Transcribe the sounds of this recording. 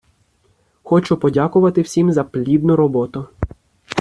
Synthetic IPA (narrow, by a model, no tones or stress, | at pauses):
xɔt͡ʃʊpɔdʲakʊʋɐt̪ɪwsʲimzɐplʲid̪nʊɾɔbɔt̪ʊ